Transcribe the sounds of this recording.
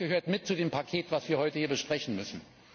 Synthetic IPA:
ɡ̥əɦøːɐtmɪt̚t͡sudeːmpʰakʰeːtv̥asv̥iːɐhɔʏtəhiːɐbəʃpʁ̥ɛçn̩mʏsn̩

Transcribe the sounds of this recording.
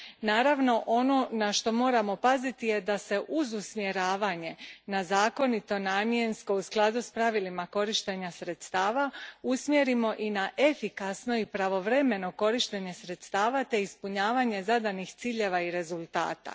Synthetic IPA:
naːɾaʋno̞ʔo̞no̞naʃt̪o̞mo̞ːɾamo̞pazit̪ije̞d̪ase̞ʔuzusmje̞ɾaːʋaɲe̞nazaːko̞nit̪o̞naːmje̞nsko̞usklˠad̪uspɾaʋilimako̞ɾiʃt̪e̞ɲasɾe̞t̪st̪aːʋausmjeɾimo̞ʔinaʔe̞fikasno̞ipɾaʋo̞ʋɾe̞me̞no̞ko̞ɾiʃt̪e̞ɲe̞sɾe̞t̪st̪aːʋat̪e̞ispuɲaːʋaɲe̞zad̪anixt̪siːʎe̞ʋaiɾe̞zulˠt̪a̰ːt̪a̰

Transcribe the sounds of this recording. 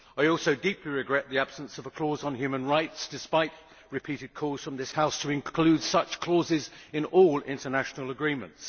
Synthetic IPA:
aɪɔˑlˠsoʊdiˑpʰliɹɨɡɹɛʔ̪̚ðiæb̥sə̃nsʌvəkʰl̥ɔzn̩ɦjʉmə̃nɹaɪtsd̥ɨspaɪʔ | ɹɨpʰiɾɪd̚kʰɔz̥fɹə̃mðɪshaʊstʰəɪ̃nkʰl̥ʉd̥sʌt͡ʃkʰl̥ɔzɪzɪ̃nɔlˠɪ̰̃ntənæʃnəl̩ˠəɡɹĩmə̰̃nts

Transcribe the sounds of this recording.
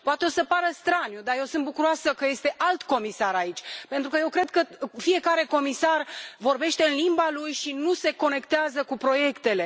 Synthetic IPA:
poat̪eo̞səpaɾəst̪ɾanjud̪ajewsɨnt̪̚bukuɾoasəkəje̞st̪e̞ʔalt̪ko̞misaɾait͡ʃʲpe̞nt̪ɾukəje̞wkɾe̞d̪̚kəfie̞kaɾe̞ko̞misarvo̞rbe̞ʃt̪e̞ɨnlimbalujʃinuse̞ko̞ne̞kt̪eazəkupɾo̞je̞kt̪e̞le̞

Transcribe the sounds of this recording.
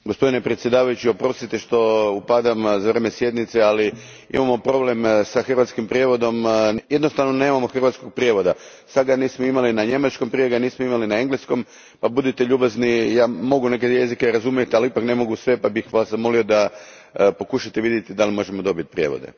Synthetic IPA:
ɡospo̞d̪inepɾet̪sje̞d̪aːʋajut͡ʃio̞pɾo̞st̪it̪eʃt̪o̞upad̪amzaʋɾemesje̞d̪nit̪seali | ḭmamo̞pɾo̞ble̞msaxr̩ʋat̪skimpɾʲije̞ʋo̞d̪o̞mje̞d̪nost̪aʋnone̞ːmamo̞xr̩ʋat̪sko̞ɡ̚pɾjeʋo̞d̪a | sad̪ɡaniːsmoimalinaɲe̞mat͡ʃko̞mpɾijeɡaniːsmoimalinae̞ŋɡlesko̞m | pabud̪it̪eʎuːbaznijaːmo̞ɡune̞k̬eje̞zikeɾazumjet̪ialiipakne̞mo̞ɡusʋe̞pabixʋaszamo̞lio̞d̪a | po̞kuʃat̪eʋid̪je̞t̪id̪alimo̞ʒemo̞d̪o̞bit̪̚pɾje̞̰ʋo̰d̪ḛ

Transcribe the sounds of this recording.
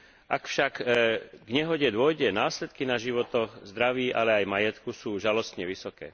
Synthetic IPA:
ʔakfʃakɡɲɛɦɔɟɛd̪ʊɔjɟɛnaːsʎɛt̪kinaʒiʋɔt̪ɔxzd̪ɾaʋiːʔalɛajmajɛt̪kusuːʒalɔst̪ɲɛʋisɔkɛ̰ː

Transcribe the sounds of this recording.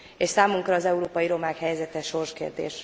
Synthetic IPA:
eʃsaːmuŋkrɒːzɛuɾoːpɒjiɾo̞maːkhɛjɛzɛt̪ɛʃo̞rʃkḛːrd̪ḛːʃ

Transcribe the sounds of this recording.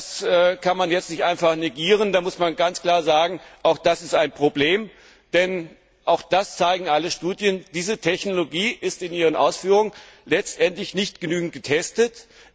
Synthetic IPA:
sʔɛːkʰanmanjɛt͡stnɪçtʔaɪnfaχneɡiːʁ̞əndaːmʊsmanɡant͡skl̥aːɐzaːɡŋ̩ʔaʊxd̥asɪstaɪnpʁ̥obleːm | d̥ɛn | ʔaʊxd̥ast͡saɪɡŋ̩ʔaləʃtuːdjənd̥iːzətʰɛçnoloɡiːʔɪstɪniːʁ̞ənʔa̰ʊsfyːʁʊŋən | lɛt͡stʔɛntlɪçnɪçtɡ̥ənyːɡŋ̩t̚ɡ̥ətʰɛstət

